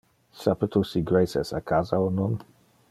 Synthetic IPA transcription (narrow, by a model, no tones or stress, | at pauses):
sapət̪usiɡɾejsɛ̰sakʰazawnɔn